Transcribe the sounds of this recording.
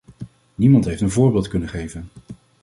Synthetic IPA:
nimɑntɦejftənvʊːɹbɪːlˠtkɵnəχejvən

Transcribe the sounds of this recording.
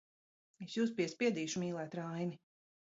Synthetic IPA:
esjuːs̬piɛspʲiɛd̪iːʃumʲiːlˠɛːt̪ɾajni

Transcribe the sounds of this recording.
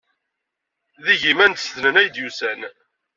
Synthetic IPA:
ðiʝimænt̪sðnənæjd̪jusæn

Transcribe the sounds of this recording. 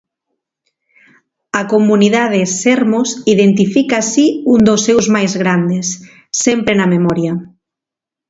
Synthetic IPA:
ɐkomuniðaðesɛɾmosiðent̪ifikasiund̪osːewzmajzɣɾand̪esː | ɛmpɾenɐmemɔɾjɐ

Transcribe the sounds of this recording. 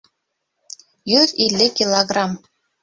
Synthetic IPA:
jyðilʲːɘkʲilˠoɡrɑm

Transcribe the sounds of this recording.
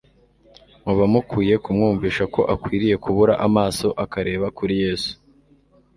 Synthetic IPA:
muβamukuːje̞kumŋuːɱviːʃako̞ʔakwiːɾije̞kuβuɾaʔamaːso̞ʔakaɾe̞ːβakuɾije̞ːsu̥

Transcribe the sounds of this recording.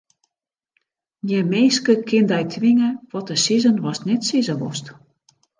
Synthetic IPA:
njɛmeːskəkʰɪndɛjtʰʋɪŋəʋɔtəsizənʋɔsnɛtsizəʋɔ̰st

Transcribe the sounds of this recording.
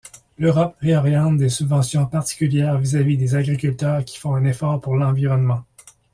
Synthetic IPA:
løʁɔpʁeɔʁjɑ̃t̪̚d̪esybvɑ̃sjɔ̃paʁt̪i̥kʲyljɛːʁvizavid̪ezaɡʁikʲylt̪œːʁkʲi̥fɔ̃ɛ̃nefɔʁpuʁlɑ̃viʁɔnmɑ̃

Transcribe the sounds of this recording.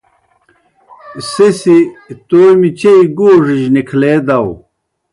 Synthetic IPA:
sesit̪ojmit͡ɕeiɡoːʐiʑnikʰleːd̪ɐw

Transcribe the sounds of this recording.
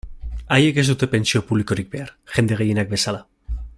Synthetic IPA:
aje̞ke̞zd̪ut̪e̞pe̞nsio̞puβliko̞ɾik̚be̞aɾʝ̥e̞nd̪e̞ɣ̞e̞jenak̚be̞sala

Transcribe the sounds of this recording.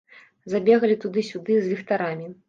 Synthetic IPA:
zabʲɛɣɐlʲit̪ud̪ɨsʲud̪ɨzʲvʲixt̪aɾamʲi

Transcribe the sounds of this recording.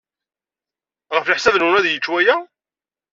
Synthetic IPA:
ʁəfləħsæðnwʊnæðjət͡ʃːwæjæ

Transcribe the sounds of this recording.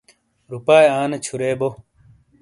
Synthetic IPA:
ɾupaːjaːnet͡ɕʰuɾeːbo

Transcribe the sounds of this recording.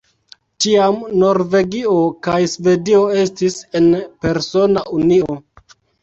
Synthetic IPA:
tiamno̞ɾve̞ɡio̞kajsve̞dio̞e̞stise̞npe̞ɾso̞naʔunio

